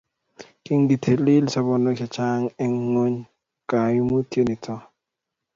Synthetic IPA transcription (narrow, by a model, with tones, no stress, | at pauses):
kɪ˦ŋɡi˨tʰe˨li˦lsɔ˦bɔ˨no˦kɛ˨t͡ʃa˦ŋɛ˦ŋːo˦ɲ | ka˨ju˦mo˦tje˦ni˨tʰɔ˦